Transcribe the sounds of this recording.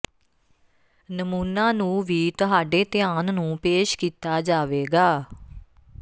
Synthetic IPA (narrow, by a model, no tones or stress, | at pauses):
nəmuːnaːnũːʋiːt̪ʊɦaːɖeːt̪ɪaːnnũːpeːʃkiːt̪aːd͡ʒaːʋeːɡaː